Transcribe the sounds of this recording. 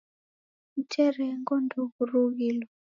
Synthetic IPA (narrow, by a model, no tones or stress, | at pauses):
mutʰɛɾɛŋɡɔnduɣuruɣilɔ